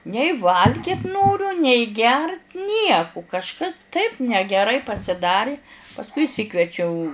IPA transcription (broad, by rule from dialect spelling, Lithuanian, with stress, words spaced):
nʲɛɪ ˈʋɐlʲɡʲɪt ˈnoːrʲʊ nʲɛɪ ɡʲɛrt ˈnʲiɛkʊ kɐʃˈkɐs tɐɪp nʲɛɡʲɛˈrɐɪ pɐsʲɪˈdɑːrʲɪ pɐsˈkʊɪ ɪʃʲˈsʲɪkʋʲiɛt͡ʃʲɛʊ